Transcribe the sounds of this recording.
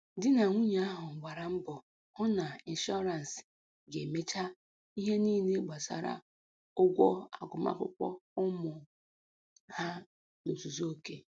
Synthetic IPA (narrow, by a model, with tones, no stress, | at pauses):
dɪ˦na˨ŋʷu˦ɲ˨˦a˦ɦʊ˨ŋ̩˨ɡ͡ba˨ɾa˨m̩˦bɔ˨ | hʊ˦na˨i˨n̩˨ʃɔ˦ɾa˨n˨s | ɡe˨me˦t͡ʃa˦ | i˦ɦe˦niː˦ne˦ɡ͡ba˨sa̰˨ɾa̰˨ | ʊ˦ɡʷɔ˦a̰˨ɡʊ˨ma̰˦kʷʊ̰˦kʷɔ̰˦ʊ˦mʊ˨ | ha˦ | no˨tu˨zo˦o˦ke˦